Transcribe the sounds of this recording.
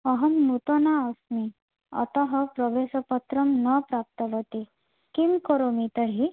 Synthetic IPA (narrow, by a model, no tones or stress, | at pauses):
əɦəmːut̪onaɔsmi | ɔ̰t̪əɦəpɾəʋesəpət̪ɾəmnɔpɾap̚t̪əʋət̪i | kimkɔɾomit̪əɦi